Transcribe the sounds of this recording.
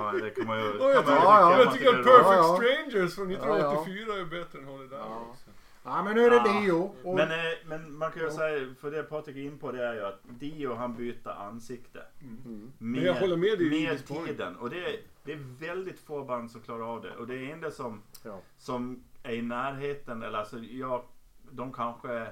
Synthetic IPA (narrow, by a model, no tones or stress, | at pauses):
d̪ɛkʰamːajjɑmjɑt̪ʰʏkkːəɾapʰœːfɛktsɾeɪnd͡ʒəɾsfɾɔnːɪt̪ːnaɔt̪ːɪfyːɾaɛbɛt̪ːɾəɛnhad̪ɛd̪æɔsɔ | æmɛnːʉæɾɛd̪iʊmɛnmɛnmankʰanjʊsɛjfɔɖɛpʰɔt̪ɾɪkɪnːpʰɔd̪ɛæɾjʉat̪d̪iːʊɦanbyːt̪ə̰ɾʔa̰nːsɪkt̪ə̰ | meahɔlːəɾmeːd̪ɛmeːt̪ʰiːd̪ənɔd̪ɛd̪̥ɛːɾvɛld̪ɪt̪foːband̪sɔmklɑːɾaɾɑːvd̪ɛ̰ʔɔd̪ɛːɾɪnd̪əsɔm | sɔmæɾɪnæːɾɦeːt̪ənɛ̰lːəɾasɔjɑːɡd̪ɔmkʰanɧəæɾ